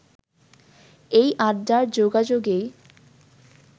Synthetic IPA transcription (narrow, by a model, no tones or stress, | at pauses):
ejʔaɾdaɾd͡ʑoɡad͡ʑoɡej